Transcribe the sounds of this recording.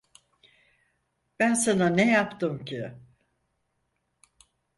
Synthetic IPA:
b̥ænsananejapt̪ɯmcʰɪ

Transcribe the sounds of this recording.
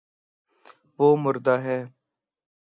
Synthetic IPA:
ʋoːmʊɾd̪aːɦɛː

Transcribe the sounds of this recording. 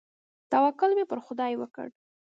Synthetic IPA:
t̪awɑkʊlmepəɾxʊd̪ɑjwəkə̰ɽ

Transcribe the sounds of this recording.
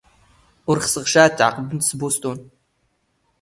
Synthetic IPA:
ʊrχsɨʁʃaːtʰʼʕa̰qəbɨnsɨboːstʼoːn

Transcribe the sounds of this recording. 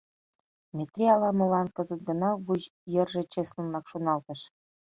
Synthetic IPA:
mʲet̪rʲiɑlɑmɤ̆lɑnkɤ̆zə̆t̪̚ɡɤ̆nɑvuʑjɤ̆rʒĕt͡ɕeslə̆nlɑkʃonɑlt̪ɤ̆ʃ

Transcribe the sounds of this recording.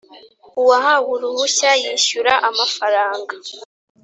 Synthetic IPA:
uwaɦaβuɾuβuçajiʃuɾaʔamafaɾaːŋɡa

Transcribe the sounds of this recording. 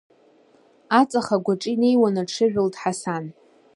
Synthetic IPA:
at͡sʼaχaɡʷaʈ͡ʂʼine̞jwanaʈ͡ʂʰɨʒᶣʊltʼħasan

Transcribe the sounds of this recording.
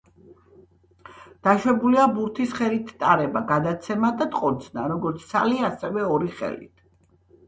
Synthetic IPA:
d̪̥aʃwɛbuliabuɾt̪ʰisχɛlit̪ʰt̪ʼaɾɛbaɡad̪at̪sʰɛmad̪at̪ʼqʼɔd̪zna̰ɾɔɡɔɾt̪sʰsʰa̰liasɛvɛɔɾiχɛ̰lḭt̪ʰ

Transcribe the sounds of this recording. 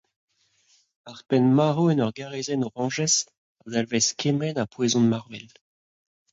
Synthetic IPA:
aʁpɛnmaʁoɛnɔʁɡaʁezɛnoʁɑ̃ʒɛs | azalvɛskʰemɛnapwezɔ̃nmaʁvɛl

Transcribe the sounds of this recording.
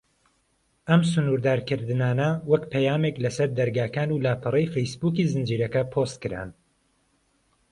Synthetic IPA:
ɐmsʊnuːɾd̪aːɾkɨɾd̪ɨnaːnɐwɐkpʰɛjaːmeklɐsɐɾd̪ɐɾɡaːkaːnulaːpʰɨrˤejfejsbuːkiːzɨnd͡ʒiːɾɐkɐpʰost̪̚kɨɾa̰ːn

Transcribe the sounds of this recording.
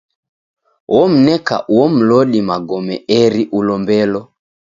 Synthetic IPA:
wɔm̩nɛka̰ʔwwɔm̩lɔɗimaɡɔmɛɛɾiʔulɔmbɛlɔ

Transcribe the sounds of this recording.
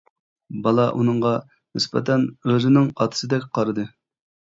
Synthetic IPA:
bɑlˠɑʔunɨŋʁɑ | nɨspɛ̰t̪ʰɛnøzɪnɪŋɑt̪ʰɨ̥sɨd̪ɛkʲqʰɑɾɨd̪ɨ

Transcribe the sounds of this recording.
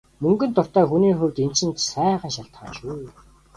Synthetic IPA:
mɵŋɡɵ̆nt̪ʊr̥t̪æːxuniːxɵwt̪en̥t͡ɕɘ̆nt̪sæːʁə̆ːnʃaɬt̪χaːʃuː

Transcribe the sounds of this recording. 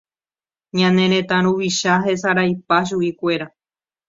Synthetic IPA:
ɲãnẽɾ̃ẽt̪ãɾ̃uʋiʃaɦe̞saɾajpaʃ̬uikʷe̞ɾa

